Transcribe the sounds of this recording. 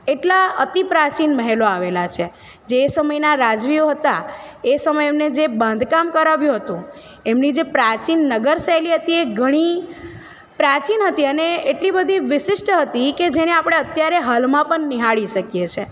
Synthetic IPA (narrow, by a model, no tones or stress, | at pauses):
eʈlaət̪ipɾat͡ʃinməɦeloaʋelat͡ʃʰe | d͡ʒeːsəməjnaɾad͡ʒʋioɦət̪aesəməjemned͡ʒebãnd̪ʱkamkəɾaʋjũɦət̪ũ | emnid͡ʒepɾat͡ʃinːəɡəɾsajliɦət̪ieɡʱəɽ̃i | pɾat͡ʃinɦət̪iəneeʈlibəd̪ʱiʋɪʃɪʃʈɦət̪iked͡ʒeneapɽ̃eət̪jaɾeɦalmãpəɳːiɦaɭiʃəkjet͡ʃʰe